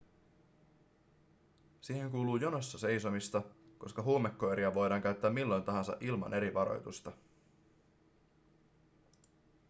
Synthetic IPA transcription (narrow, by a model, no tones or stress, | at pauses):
siːhe̞ŋkuːluːjonosːɑse̞jsomist̪ɑko̞skɑɦuːmekːo̞eɾiɑʋo̞jdɑːŋkæyɥt̪ːæːmilːo̞jnt̪ɑɦɑnsɑ̰ʔilmɑ̰nʔe̞ɾiʋɑɾo̞̰jt̪ust̪ɑ